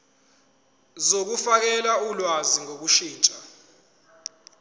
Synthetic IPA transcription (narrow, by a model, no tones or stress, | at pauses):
zok̬ufak̬ɛlaulwaziŋok̬uʃiːt͡ʃʼa